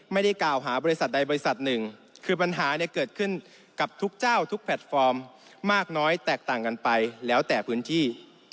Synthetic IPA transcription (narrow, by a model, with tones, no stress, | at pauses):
ma˥˩jda˥˩jklaː˨˩wɦaː˩˦bɔː˧i˦˥sa˨˩t̪̚da˧jbɔː˧ɾi˦˥sa˨˩t̪̚nɯ˨˩ŋkʰɯː˧pa˧nɦaː˩˦ni˧˩ɐkɤː˨˩t̪̚kʰɯ˥˩n | ka˨˩p̚t̪ʰu˦˥k̚t͡ɕaː˥˩wt̪ʰu˦˥k̚pʰɛ˨˩t̪̚fɔː˧mː | aː˥˩k̚nɔː˦˥jt̪ɛː˨˩k̚t̪aː˨˩ŋka˧npa˧jlɛː˦˥wt̪ɛː˨˩pʰɯː˦˥nt̪ʰiː˥˩